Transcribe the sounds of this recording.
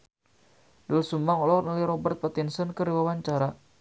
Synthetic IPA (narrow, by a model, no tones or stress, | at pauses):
dʊlsumaŋɔlɔnɔliɾɔbərt̪̚pat̪insənkəɾiwawaɲt͡ʃaɾa